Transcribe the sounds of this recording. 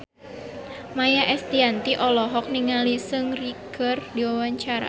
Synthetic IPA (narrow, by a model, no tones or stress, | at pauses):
majaʔɛst̪iant̪iʔɔlɔɦɔk̚niŋalisɨŋriɡ̥ərdiwawaɲt͡ʃaɾa̰